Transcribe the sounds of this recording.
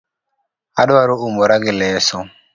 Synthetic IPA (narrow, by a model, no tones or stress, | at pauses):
aɗwaɾuʔumɔɾaɡilɛːsɔ